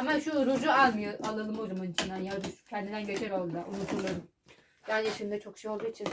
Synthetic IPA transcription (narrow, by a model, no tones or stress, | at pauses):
amaʃuɾud͡ʒualˠmɯjoʔalˠalˠɯmoɾumunit͡ʃʰind̪anjaɾuʃcʰɛnd̪id̪ænɟet͡ʃʰɛɾolˠd̪aʔunutʰuɾlˠaɾɯm | jaɾd͡ʒeʃimnd̪ɛt͡ʃʰo̞kʃejo̞lˠd̪uit͡ʃʰin